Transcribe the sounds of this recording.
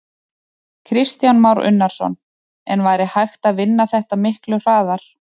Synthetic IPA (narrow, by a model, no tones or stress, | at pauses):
kʰɾɪst̪janmawɾʏ̰nːaɾ̥sɔ̰n | ɛ̰nvaːjɾɪhajxt̪aðvɪnːaθɛht̪amɪhklʏr̥aːðaɾ̥